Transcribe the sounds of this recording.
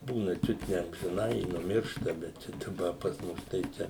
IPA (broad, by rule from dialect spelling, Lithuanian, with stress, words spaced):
ˈbuːnɐ ˈt͡ʃʲʊt nʲɛ ɐmʲʒʲɪˈnɐɪ ɪ nʊˈmʲɪrʃtɐ bʲɛt ˈt͡ʃʲɛ dɐˈbɐ pɐs ˈmʊs tɐɪ ˈt͡ʃʲɛ